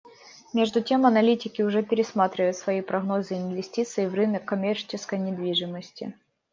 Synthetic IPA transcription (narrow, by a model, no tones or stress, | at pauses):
mʲe̞ʐd̪ʊtʲe̞mɐnɐlʲitʲɪkʲɪʊʐɛpʲɪɾʲɪsmat̪ɾʲɪvəjʊt̪svɐipɾɐɣno̞zɨɪnvʲɪsʲtʲit̪sɨjɪvrɨnəkːɐmʲert͡ɕɪskəjnʲɪd̪vʲiʐɨməsʲtʲɪ̰